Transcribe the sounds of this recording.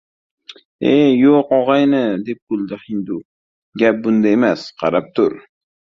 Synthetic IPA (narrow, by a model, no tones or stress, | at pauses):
ejoqɒʁɑjnɪd̪e̞p̚bʊlˠd̪ɪhɪnd̪ʊ | ɡʲap̚bʊnd̪aemasqʰɑɾap̚t̪ʰʊɾ